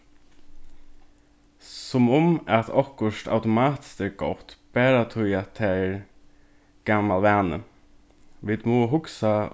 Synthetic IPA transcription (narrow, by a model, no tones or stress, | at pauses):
sɔmʊmæt̪ʰɔkʊʂt̪a̰ʊt̪ʊmɑːt̪ɪ̥st̪ɛːɡ̥ɔt̪b̥æːɾat̪ʰʊjat̪ʰɛɾ | ɡ̥amːalʋæːnə̰ | ʋɪd̪moːɦʊksa